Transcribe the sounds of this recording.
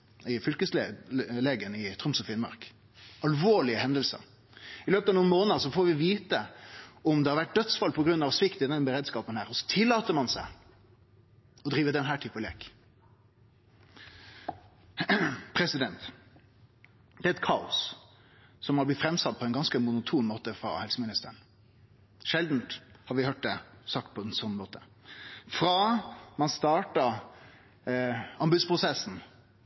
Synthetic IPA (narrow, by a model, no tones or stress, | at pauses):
ɪfʏlkəslleːɡənɪt̪ʰɾʊmsɔfɪnmɑ̰ɾk | ɑlʋoːɭɪəhɛnd̪əlsə̰ɾ | ɪløːpət̪ɑʋnuːnmoːnəəʁsɔfoːɾʋɪʋiːt̪əɔmd̪ɛhɑɾʋæʈ̚d̪œt̪sfɑlpʰɔɡɾʉnːɑʋsʋɪkt̪ɪd̪ɛnbəɾeːd̪skɑːpənhæːɾɔsɔ̥t̪ʰɪlːɑːt̪əmɑnsæɪ | ɔd̪ɾiːʋəd̪ɛnɦæːʈʰɪpəlḛːk | pʰɾɛsɪd̪ɛnt̪ | d̪̥ɛɛt̪kʰɑːʊ̰s | sɔmhɑblɪt̪fɾɛmsɑt̪̚ːpʰɔɛɪnɡɑnskəmʊnʊt̪ʰuːmmoːt̪əfɾɑ̰hɛlsəmɪnɪst̪əəɳ | ʃɛld̪n̩t̪hɑɾʋɪhøːʈ̚d̪ɛsɑk̚t̪̚pʰɔɛnsɔnːmoːt̪ʰə | fɾɑːmɑnst̪ɑːʈɑ | ɑmbʉd̪spʰʁʊsɛsn̩